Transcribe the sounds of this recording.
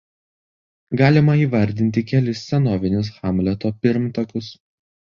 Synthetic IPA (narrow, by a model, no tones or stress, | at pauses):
ɡɑːlʲɪmɐiːʋɐɾʲd̪ʲɪnʲt̪ʲɪkʲɛlʲɪsːʲɛnoːʋʲɪnʲʊs̬xɑmʲlʲɛt̪oːpʲɪɾmt̪ɐkʊs